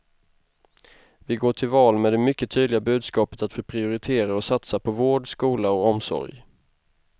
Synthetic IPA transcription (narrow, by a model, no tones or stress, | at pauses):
vɪɡoːʈʰɪlvɑːlmɛːd̪ɛmʏkːət̪ʰyːd̪lɪɡabʉ̟ːd̪skɑːpə̥t̪at̪foːpʰɾɪʊɾɪt̪ʰeːɾaɔsat̪sapʰɔvoːɖskuːlaɔɔmsɔ̰ɾj